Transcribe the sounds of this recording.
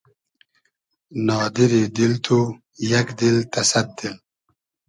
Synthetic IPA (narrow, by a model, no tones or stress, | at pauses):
nɑːd̪iɾid̪ilt̪ʰu | jɐkd̪ilt̪ɐsɐt̪̚d̪il